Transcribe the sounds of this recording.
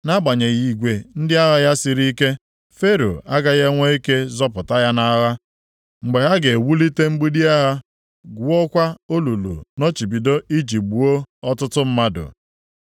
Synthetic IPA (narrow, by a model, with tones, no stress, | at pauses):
na˦ɡ͡ba˨ɲe˨ɣi˨ɡʷe˨n̩˦dɪ˦a˦ɣa˦ja˦sɪ˨ɾi˦ke˦ | fe˦ɾo̰˨a˦ɡa˦ɣe˦ŋʷe˦i˦ke˦zɔ˦pʊ˨ta˦ja˦na˦ɣa˦ | ŋ͡m̩˨ɡ͡be˨ɦa˦ɡe˨wu˦li˦te˦ŋ͡m̩˦ɡ͡bu˦di˦a˦ɦa˦ | ɡu˨o˦kʷa˦o˦lu˨lṵ˨no˦t͡ʃi˨bi˨do˦ʔi˦d͡ʒi˨bu˨o˦ɔ˦tʊ˦tʊ˦m̩˦ma˦dʊ̰˨